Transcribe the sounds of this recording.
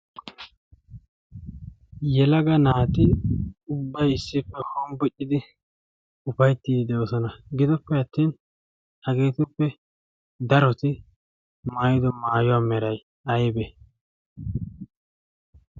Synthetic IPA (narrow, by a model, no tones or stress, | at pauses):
jɛlɐɡɐnaːt̪ɪʊbːɐjɪsːɪpːɛhɔmbʊʔɪd̪ɪ | ʊfɐjt̪ːiːd̪ɪd̪ɛwɔsɔnɐɡɪd̪ɔpːɛɐt̪ːiːn | hɐɡe̞ːt̪ɪpːɛ | d̪ɐɾɔt̪ɪ | maːjɪd̪ɔmaːjʊwaːmɛɾɐj | ɐjbɛ